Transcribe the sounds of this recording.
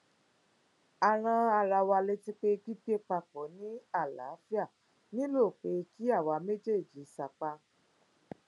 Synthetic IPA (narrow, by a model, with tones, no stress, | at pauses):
a˨˧ɾ̃ã˧a˧ɾa˧wa˧le˧ti˦k͡pe˦ɡi˦be˦k͡pa˧k͡po˨˦nĩ˦a˦˨la̰˨˦fi˦a˦˨ | nĩ˦lo˦˨k͡pe˧˦ki˦a˦˨wa˨˧me˦d͡ʒe˦˨d͡ʒi˨˦sa˧k͡pa˧